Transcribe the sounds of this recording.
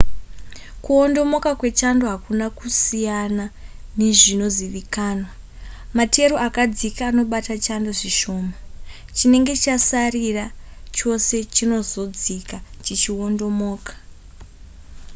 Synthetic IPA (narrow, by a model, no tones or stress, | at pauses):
kuo̞ndo̞mo̞kakwe̞t͡ʃando̞ɦakunakusijanane̞ʐinoziʋikaːnwa | matʰe̞ɾoakad͡zikaːno̞ɓatat͡ʃandoʐiʃo̞ːma | t͡ʃine̞ŋɡe̞t͡ʃasarirat͡ʃo̞se̞t͡ʃino̞zo̞d͡zikat͡ʃit͡ʃio̞ndo̞moːkḁ